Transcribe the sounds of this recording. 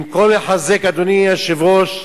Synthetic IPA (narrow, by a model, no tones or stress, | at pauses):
mkoleħazekad̪oniaʃevoʃ